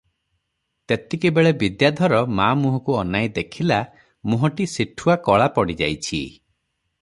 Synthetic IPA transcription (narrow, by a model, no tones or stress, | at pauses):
t̪et̪ikebeɭebid̪jad̪ʱɔɾɔmamuɦɔkuɔnajd̪ekʰila | muɦɔʈisiʈʰuakɔɭapɔɽid͡ʒa̰jt͡ʃʰḭ